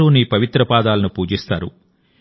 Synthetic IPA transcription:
uːniːpɐʋit̪ɾɐpaːd̪aːlɐnupuːd͡ʒist̪aːɾṵ

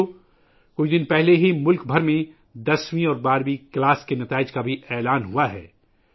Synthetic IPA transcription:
kʊt͡ʃʰd̪ɪnpɛɦleɦimʊlkbʱɐɾmẽ | d̪ɐswĩɔːɾbaːɾwiklaːskenɐt̪aːɪd͡ʒkabʱiʔɛːlaːnɦuaɦɛ̰ː

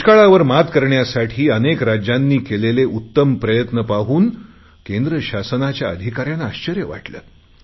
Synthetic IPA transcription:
kaɭaʋəɾmat̪kəɾɳjasaʈʰiːənekɾad͡ʑjanːiːkeleleʔut̪ːəmpɾəjət̪nəpaɦuːn | kend̪ɾəɕasənat͡ɕjaəd̪ʱikaɾjanaːɕt͡ɕəɾjəʋa̰ʈlə̰ː

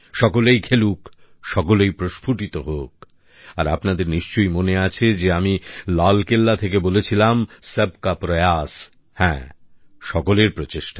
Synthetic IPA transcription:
ʃɔkolejkʰeluk | ʃɔkolejpɾoʃpʰuʈit̪oɦok̚ | aɾa̰pnad̪eɾniʃt͡ɕojmoneat͡ɕʰed͡ʑeamilalkelːat̪ʰekebolet͡ɕʰilamseb̚kapɾojas | hɛ̰̃ː | ʃɔkoleɾpɾot͡ɕeʃʈḁ

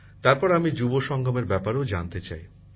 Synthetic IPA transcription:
t̪aɾpɔɾamid͡ʑuboʃɔŋɡʱɔmeɾbɛpaɾeod͡ʑant̪et͡ɕa̰j

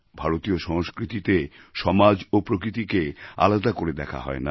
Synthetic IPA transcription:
bʱaɾot̪ioʃɔŋskɾit̪it̪eʃɔmad͡ʑopɾokɾit̪ikea̰lad̪akoɾed̪ɛkʰa̰ɦɔ̰ena̰

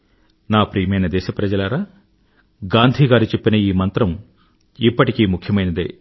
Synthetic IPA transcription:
naːpɾiːɐmɐjnɐd̪ɛːʃɐpɾɐd͡ʒɐlɐɾaː | ɡaːnd̪ʱiːɡaːɾut͡ʃe̞pːinɐiːmɐnt̪ɾɐm | ipːɐʈikiːmukʰːjɐmɐjnɐd̪ḛ

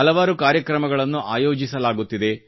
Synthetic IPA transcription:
ɐlɐʋaːɾukaːɾjɐkɾɐmɐɡɐɭɐnːuʔaːjoːd͡ʒisɐlaːɡut̪ːid̪e̞

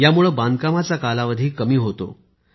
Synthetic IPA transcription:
jamuɭəːband̪kamat͡sakalaʋəd̪ʱiːkəmiːɦot̪o̰

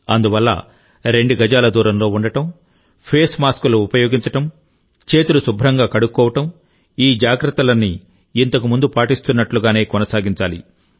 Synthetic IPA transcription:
ɐnd̪uʋɐlːɐ̰ | ɾe̞ɳɖuɡɐd͡ʒaːlɐd̪uːɾɐmlo̞ːuɳɖɐʈɐm | pʰeːsmaːskuluupɐjo̞ːɡiɲt͡ʃɐʈɐm | t͡ʃe̞ːt̪ulusubʱɾɐŋɡaːkɐɽukːɔːʋɐʈɐm | iːd͡ʒaːɡɾɐt̪ːɐlɐnːiː | nt̪ɐkumund̪upaːʈist̪unːɐʈluɡaːne̞ːkɔnɐsaːɡiɲt͡ʃaːlḭ

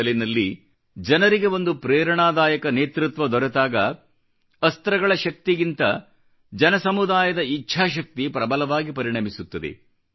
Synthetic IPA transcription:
linɐlːi | d͡ʒɐnɐɾiɡe̞ʋo̞nd̪upɾɛːɾɐɳaːd̪aːjɐkɐneːt̪ɾut̪ʋɐd̪ɔɾɛt̪aːɡɐ | ɐst̪ɾɐɡɐɭɐʃɐk̚t̪iɡint̪ɐ | d͡ʒɐnɐsɐmud̪aːjɐd̪ɐit͡ʃːʃʰaːʃ̬ɐk̚t̪ipɾɐbɐlɐʋaːɡipɐɾiɳɐmisut̪ːɐd̪ḛ

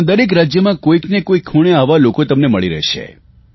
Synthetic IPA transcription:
d̪əɾek̬ɾad͡ʒjəmãkoiknekoikʰːuɽ̃eaʋalokot̪əmneməɭiɾə̰ɦʃḛ

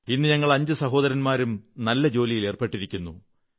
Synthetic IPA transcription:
inːɨɲɐŋːɐɭɐɲd͡ʑɨsɐɦo̞ːðɐɾɐnmaːɾumnɐlːɐd͡ʑo̞ːlijile̞ːrpe̞ʈːiɾikʲːunːu

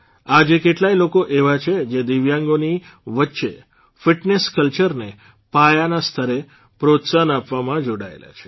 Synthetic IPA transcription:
ad͡ʒekeʈlailokoʔeʋat͡ʃʰed͡ʒed̪iʋjãŋɡoni | ʋətːʃḛ | fɪʈneskəlt͡ʃəɾne | pajanast̪ʰəɾe | pɾot̪sanapʋamãd͡ʒoɽa̰ḛla̰t͡ʃʰe̥

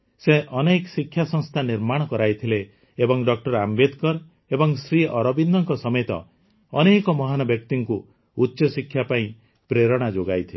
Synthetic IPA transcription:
seʔɔneksikʰːjasɔŋst̪ʰaniɾmaɽ̃ɔkɔɾajt̪ʰileː | bɔŋɖɔk̚ʈɔɾambed̪kɔɾ | ebɔŋsɾiɔɾɔbind̪ʱɔŋkɔsɔmet̪ɔ̰ | ɔ̰nekɔmɔɦanɔbjɔk̚t̪iŋku | utːʃɔsikʰjapaĩ | pɾeɾɔɽ̃ad͡ʒoɡajt̪ʰile

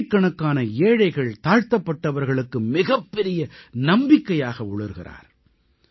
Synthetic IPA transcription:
kːɐɳɐkːaːnɐeːɻɐɪɣɐɭt̪aːɻt̪ɐpːɐʈːɐʋɐɾɣɐɭɯkːɯmɪɣɐpːɛɾɪjɐnɐmbɪkːɐjaːɣɐʊɭɯɾɣɪ̰ra̰ːɾ

